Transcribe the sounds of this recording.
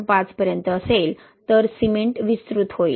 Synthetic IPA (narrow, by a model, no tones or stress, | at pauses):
pãt͡spəɾjənt̪əːsel | t̪əɾsimeɳʈʋist̪ɾut̪ɦoḭl